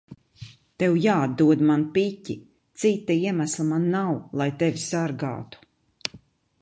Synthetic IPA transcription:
t̪ɛwjaːad̪d̪ːuɔd̪manpicʲːi | t̪sit̪ːaiɛmaslˠamanːawlˠajt̪ɛvʲisaɾɡa̰ːt̪u̥

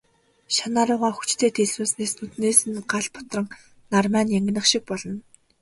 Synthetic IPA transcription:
ʃanaːɾʊːʁaːxu̥t͡ɕt̪ʰeːt̪ʰeɮuːsneːsnʰɵt̪neːsɘ̆nɢaɮpʊ̥t̪rə̆ŋ | narmæːnjæŋɡʲɪ̆nə̆χʃik̚pɔɮɞ̆n

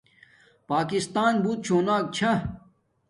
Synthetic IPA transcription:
paːkist̪aːnbuːt̪̚t͡ɕʰoːnaːk̚t͡ɕʰɐ

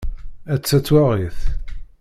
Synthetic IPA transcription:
æt͡sːæt͡sːwaʁiθ

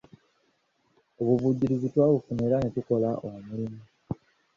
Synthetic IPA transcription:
o̞βuβuɟiɾizitwaːβufuneɾanetuko̞laʔomulimu

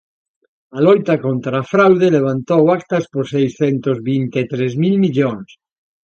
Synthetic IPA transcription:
alojt̪akont̪ɾaːfɾawðeleβ̞ant̪owak̚t̪ɐsposejsθent̪ozβint̪et̪ɾezmilmiʎoŋs

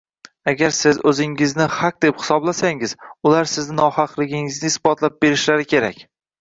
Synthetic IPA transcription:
aɡʲaɾsɪzɵzɪŋɪznɪhaq̚d̪e̞phɪ̥sɒblasaŋɪz̥ʊlaɾsɪznɪnɒhɑqlˠɪɡʲɪŋɪznɪɪsbɒt̪lap̚be̞ɾɪʃlaɾɪkʲʰe̞ɾakʲ

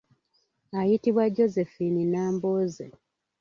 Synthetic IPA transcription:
ajitiβwaɟːo̞zefininaːmboːze

